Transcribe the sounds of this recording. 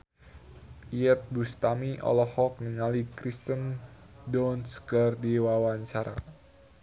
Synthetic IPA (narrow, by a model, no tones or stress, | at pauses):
ʔiət̪̚bust̪amiʔɔ̰lɔhɔk̚niŋalikɾist̪əndɔnskərdiwawaɲt͡ʃaɾa̰